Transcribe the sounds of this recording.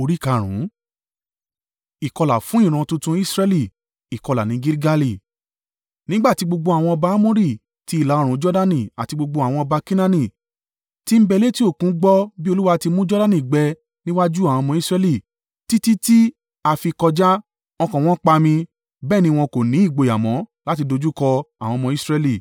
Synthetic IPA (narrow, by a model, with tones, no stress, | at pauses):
o˧ɾi˦ka˧˨ɾ̃ṵ̃˨˦ | i˨kɔ˧la˨fũ˨˦ĩ˦˨ɾ̃ã˧tũ˧tũ˧i˦sɾɛ˧li˦˨ | i˨kɔ˧la˨nĩ˨˧˦ɡi˦ɾi˦ɡa˦˧li˦˨ | nĩ˦ɡ͡ba˦˨ti˨˧˦ɡ͡bo˧ɡ͡bo˧a˨w̃ɔ̃˧ɔ˧ba˧a˦mõ˦ɾi˦˨ | ti˧˦i˦˨la˨˦ɔ˦ɾ̃ũ˨˦d͡ʒɔ˦da˦nĩ˨a˨ti˧ɡ͡bo˧ɡ͡bo˧a˨w̃ɔ̃˧ɔ˧ba˧kĩ˦nã˦nĩ˦˨ | ti˦m̩˦bɛ˧˦le˦ti˦o˦˨kũ˨˦ɡ͡bɔ˦bi˦o˧lu˦wa˧ti˧mũ˦d͡ʒɔ˦da˦nĩ˦˨ɡ͡bɛ˧ | nĩ˦wa˦d͡ʒu˦a˨w̃ɔ̃˧mɔ̃˧i˦sɾɛ˧li˧˨ | ti˦ti˦ti˦ | a˧fi˧kɔ˧d͡ʒa˦ | ɔ˧kɔ̃˨w̃ɔ̃˦k͡pa˧mĩ˧ | bɛː˦˨nĩ˧w̃ɔ̃˧ko˨nĩ˨˦i˦˨ɡ͡bo˧˨ja˨mɔ̰̃˨˦la˦ti˧do˧d͡ʒu˦kɔ˧a˨w̃ɔ̃˧mɔ̃˧i˦sɾɛ˧li˦˨